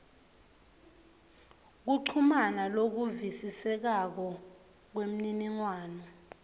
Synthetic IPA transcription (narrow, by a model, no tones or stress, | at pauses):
k̬uǀʰumanalok̬uvisisɛk̬ak̬ɔ | k̬wem̩niniŋwaːnɔ